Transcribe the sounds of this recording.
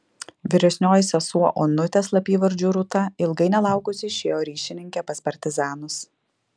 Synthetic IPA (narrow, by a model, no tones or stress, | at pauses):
ʋʲɪɾʲɛsʲnʲoːjɪsʲɛsuɔʔoːnʊt̪ʲeːslˠɐpʲiːʋɐɾʲd͡ʒʲuːɾʊt̪ɐɪlˠɡɐɪnʲɛlˠɑˑʊkʊsʲɪʃʲeːjoːɾʲiːʃʲɪnʲɪŋʲkʲɛːpɐspɐɾʲt̪ʲɪzɑːnʊs